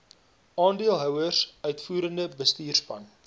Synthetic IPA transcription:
ɑːndiəlˠɦœwərsœɥtfuːɾəndəbəstiːrsbɐn

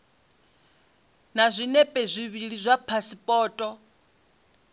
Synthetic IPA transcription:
nazʷinɛpʼɛzʷiβiɺizʷapʰasipʼɔːtʼɔ

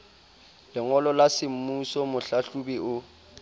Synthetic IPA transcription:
lɪŋɔlɔlasɪm̩musɔmʊɬaɬubiʊ

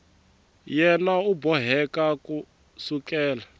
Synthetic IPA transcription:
jɛnaubɔɦɛkaku | sukʼɛːla

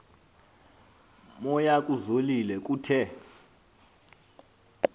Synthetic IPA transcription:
mɔjakʼuzolilɛkʼuːtʰɛ

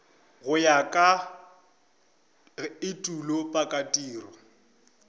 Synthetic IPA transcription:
ɣʊjakʼa | ɪtʼulopʼakʼatʼiːrɔ

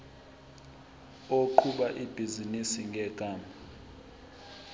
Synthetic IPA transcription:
oǃʰuɓaʔib̥ʱizinisiŋɡʱɛɡ̥ʱaːma

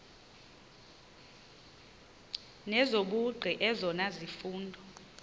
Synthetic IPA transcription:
nɛzoɓuɡ͡ǀʱiʔɛzɔnazifuːndʱɔ

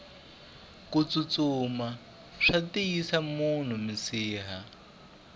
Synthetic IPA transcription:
kut͡sut͡suma | ʂatiisamun̤umisiːɦa

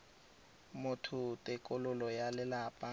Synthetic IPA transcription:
mʊtʰʊtʼɪkʼʊlʊlɔjalɪlapʼa

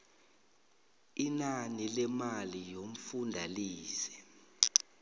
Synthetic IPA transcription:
inanilɛmalijom̩fundʱaliːsɛ̥

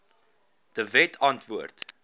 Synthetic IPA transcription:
d̥əvɛtʰɐntvuərt

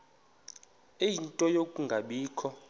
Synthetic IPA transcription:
ejintʼɔjokʼuŋɡʱaɓiːkʰɔ

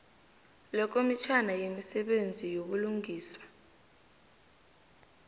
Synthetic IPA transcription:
lɔk̬omit͡ʃʰanajemisɛɓend͡zʱijoɓuluŋɡʱiːswḁ

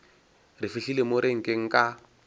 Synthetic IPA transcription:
rɪfiɬilemoɾeŋ̩kʼeŋ̩kʼa

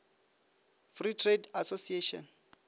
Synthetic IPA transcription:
fritʰredasosieʃɔ̰n

